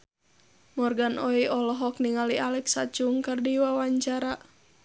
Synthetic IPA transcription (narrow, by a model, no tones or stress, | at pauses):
mɔrɡanɔiʔɔlɔɦɔk̚niŋalialɛksat͡ʃuŋkɨrdiwawaɲt͡ʃaɾa